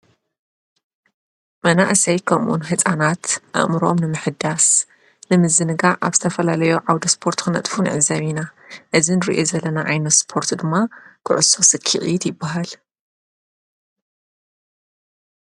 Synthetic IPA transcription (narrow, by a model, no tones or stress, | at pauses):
mɐna̰ʔsɐjkʰɐmʔṵnɦɨt͡sʼanat̪ʔa̰ʔmɨɾo̞mnɨmɨħɨd̪as | nɨmɨzɨnɨɡaʔaβz̥ɨt̪ʰɐfɐlalɐjoʕawd̪ɐspʰo̞ɾt̪kɨnɐ̰t̪ʼfunʕɨzɐβinaʔɨzinɨɾḭʔozɐlːɐnaʔajnɐt̪spʰo̞ɾt̪d̪ɨmːakʰɨʕʊso̞sɨkʰːḭχʼit̪jɪbːaɦal